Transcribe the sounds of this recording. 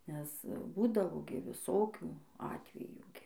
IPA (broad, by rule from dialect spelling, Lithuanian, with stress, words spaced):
nʲɛs ˈbuːdɐʋoː ɡʲɪ ʋʲɪˈsoːkʲuː ˈɑːtʲʋʲɛjuː ɡʲɪ